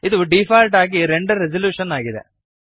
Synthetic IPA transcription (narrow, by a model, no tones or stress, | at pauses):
ɪðɯɖɪfaːlʈaːɣiɾɛɳɖɯɾɛd͡ʒɐljuːʂɐnaːɣɪðɛ̰